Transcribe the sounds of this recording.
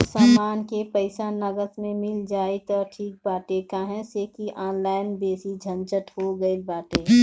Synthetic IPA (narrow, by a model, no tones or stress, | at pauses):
samaːnkepəɪsanəɡət̪mẽmɪld͡ʒaːet̪ɔʈʰiːk̚baːʈekaɦɛ̃sekiʔaːnlaːɪnbeːsid͡ʒʱə̃nt͡ʃət̪hoɡəilbaːʈeː